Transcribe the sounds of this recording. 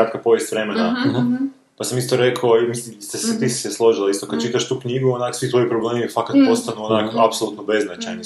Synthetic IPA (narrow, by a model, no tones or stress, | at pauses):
at̪kapo̞ʋjest̪ʋɾe̞mena | pasamist̪o̞ɾe̞kʰaomisimst̪eset̪isseslˠo̞ʒilaist̪o̞kad̪̚t͡ʃit̪aʃt̪uːkɲiɡuonaːksʋit̪ʋo̞jipɾoble̞ːmifakat̪po̞st̪anuonaːkapsolut̪nobe̞znat͡ʃajni